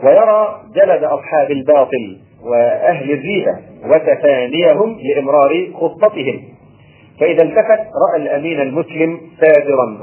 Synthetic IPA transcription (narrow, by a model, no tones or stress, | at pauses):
wajɑɾˤɑːd͡ʒalad̪ʔɑsˤħɑːbalbɑːt̪ˤɨl | wɪʔaɦlɪzːiːba̰wat̪afaːnɪjaɦʊmlɪʔɪmɾɑːɾɪxʊt̪ˤːɑt̪ɨɦɪm | faʔɪðalt̪afat̪ɾˤɑʔalʔamiːnalmʊslɪmsaːd̪ɪɾˤɑn